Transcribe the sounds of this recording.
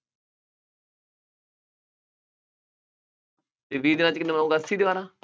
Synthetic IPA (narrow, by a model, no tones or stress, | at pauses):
eːʋiːd̪ɪnãːt͡ʃkɪnːemnõːɡəsiːd̪ɪʋaːɾãː